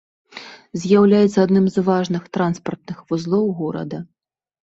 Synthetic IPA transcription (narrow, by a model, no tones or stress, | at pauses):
zʲjawlʲajɛt̪sːɐad̪nɨmzvaʐnɨxt̪ɾanspɐrt̪̚nɨxvuzlˠɔwɣɔɾɐ̰d̪ɐ